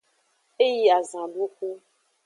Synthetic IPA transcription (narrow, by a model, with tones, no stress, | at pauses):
e˦ji˨a˨zã˨ɖu˦ku˦